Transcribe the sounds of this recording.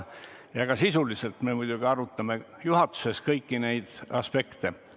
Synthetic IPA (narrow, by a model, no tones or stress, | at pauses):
jɑɡ̥ɑsisulise̞lt̪me̞mujd̪̥uɡ̥iɑɾut̪ːˑɑme̞juɦɑt̪ˑːu̥se̞skɤjkːine̞jd̪̥ɑspe̞kt̪e